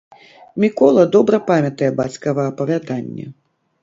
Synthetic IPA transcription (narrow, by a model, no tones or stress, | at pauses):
mʲikɔlˠɐd̪ɔbɾɐpamʲɐt̪ɐjɛbat͡sʲkɐvɐɐpɐvʲad̪anʲːɛ̰